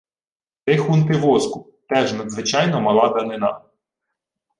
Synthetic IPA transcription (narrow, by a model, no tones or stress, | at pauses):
t̪ɪxunt̪ɪʋɔskʊ | t̪ɛʒnɐd̪zʋɪt͡ʃɑjnɔmɐlˠɑd̪ɐnɪnɑ